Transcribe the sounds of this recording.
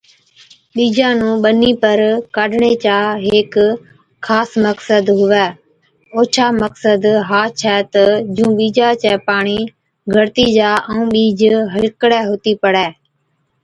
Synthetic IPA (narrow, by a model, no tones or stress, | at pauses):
ɓiːd͡ʒãːnũːɓəniːpəɾkaːɖɳeːt͡ʃaːɦeːkʰː | aːsməksəd̪ɦʊʋɛː | oːt͡ʃʰaːməksəd̪ɦaːt͡ʃʰɛːt̪əd͡ʒũːɓiːd͡ʒaːt͡ʃɛːpaːɳiː | ɡʱəɾt̪iːd͡ʒaːʔəũːɓiːd͡ʒɦəlkɽɛːɦʊt̪iːpəɽɛː